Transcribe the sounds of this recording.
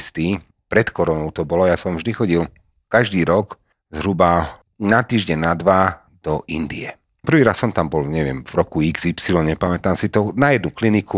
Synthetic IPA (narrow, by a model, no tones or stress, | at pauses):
st̪iː | pɾɛt̪kɔɾɔnɔʊt̪ɔbɔlɔjasɔmvʒd̪ixɔɟil | kaʒd̪iːɾɔk | zɦɾuba | nat̪iːʒɟɛnnad̪ʋa | d̪̥ɔʔḭnd̪iɛ | pr̩ʋiːɾassɔmt̪ambɔlɲɛʋɪɛmvɾɔkuiɡzipsilɔɲɛpamɛt̪amsit̪ɔnajɛd̪̚nukliniku